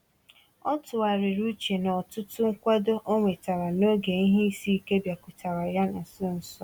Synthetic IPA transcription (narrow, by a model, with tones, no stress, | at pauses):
ɔ˦tʊ˨a˨ɾɪ˨ɾu˦t͡ʃe˨nɔ˨tʊ˦tʊ˦ŋ̩˦kʷa˦do˦ʔo˦ŋʷe˨ta˨ɾa˨no˦ɡe˨i˦ɦe˦i˦si˦ke˦bja˨kʷʊ˨ta˨ɾa˨ja˦na˨sʊ˦n̩˨sɔ˦